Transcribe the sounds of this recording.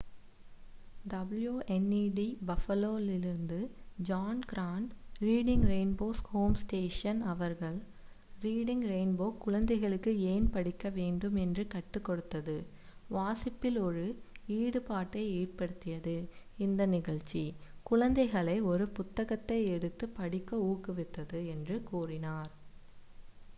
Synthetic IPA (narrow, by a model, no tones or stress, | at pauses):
ɖɐbljuːʔɛniːɖibɐfɐloːlɪlɪɾɯnd̪ɯd͡ʒaːnɡɾaːɳɖɾiːɽɪŋɡɾeːnboːshoːmsʈeːʂɐnɐʋɐɾɣɐɭ | ɾiːɽɪŋɡɾeːnboːkːʊɻɐnd̪ɐɪɣɐɭɯkːɯeːnpɐɽɪkːɐʋeːɳɖɯmɛndrɯkɐʈːɯkːɔɽɯt̪ːɐðɯ | ʋaːsɪpːɪlɔɾɯiːɽɯpaːʈːɐɪeːʈ̚pɐɽɯt̪ːɪjɐðɯɪnd̪ɐnɪɣɐɭt͡ʃːikʊɻɐnd̪ɐɪɣɐɭɐɪɔɾɯpʊt̪ːɐɣɐt̪ːɐɪɛɽɯt̪ːɯpɐɽɪkːɐuːkɯʋɪt̪ːɐðɯɛndrɯkuːrɪnaːɾ